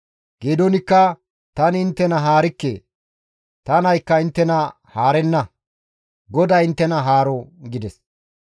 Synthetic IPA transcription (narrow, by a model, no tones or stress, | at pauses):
ɡ̥eːd̪ɔnɪkːɐ | t̪ɐnɪɪnt̪ːɛnɐɦaːɾɪkːḛː | t̪ɐnɐjkːɐɪnt̪ːɛnɐ | haːɾɛnːɐ | ɡɔd̪ɐjɪnt̪ːɛnɐɦaːɾɔɡɪd̪ɛs